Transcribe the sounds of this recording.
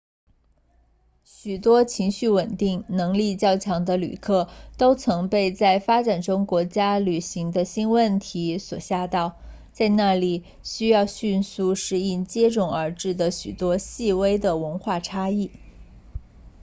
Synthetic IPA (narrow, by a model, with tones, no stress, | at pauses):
ɕy˨˩t̪wɔ˥t͡ɕʰi˧˥ŋɕy˥˩wə˨˩nt̪i˥˩ŋnɤ˧˥ŋli˥˧t͡ɕjɑ˥˩ʊt͡ɕʰjɑ˧˥ŋd̪ə˧ly̰˨˩kʰɤ˥˩t̪o˥ʊt͡sʰɤ˧˥ŋpe˥˧ɪt͡sa˥˩ɪfa˥ʈ͡ʂa˨˩nʈ͡ʂʊ˥ŋkwɔ˧˥t͡ɕja˥ly˨˩ɕi˧˥ŋd̪ə˧ɕi˥nwə˥˩nt̪ʰi˧˥swɔ˨˩ɕja˥˧t̪ɑ˥˩˧ʊ | t͡sa˥˧ɪna˥˩li˨˩ | ɕy˥jɑ˥˧ʊɕy˥˧nsu˥˧ʂɻ̩˥˧i˥˩nt͡ɕjɛ˥ʈ͡ʂʊ˥˩ŋə˞˧˥ʈ͡ʂɻ̩˥˩d̪ə˩ɕy˨˩t̪wɔ˥ɕi˥˩we˥ɪd̪ə˨wə˧˥nxwa˥˩ʈ͡ʂʰa˥i˥˩